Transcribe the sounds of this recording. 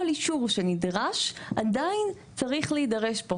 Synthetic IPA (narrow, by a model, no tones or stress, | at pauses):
liʃuʁʃe̞nidʁaʃʔadajn | t͡saʁiχleidaʁe̞ʃbo